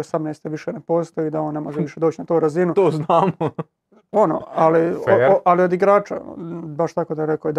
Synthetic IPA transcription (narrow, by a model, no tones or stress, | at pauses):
osamnejst̪eʋiʃenepo̞ːst̪ojud̪ao̞ːnːemo̞ʒeʋiʃed̪oːt͡ɕnat̪oːɾazinut̪oːznaːmo | ono̰ːalialio̞d̪iɡɾaːt͡ʃa̰baʃt̪akod̪aɾekoid̪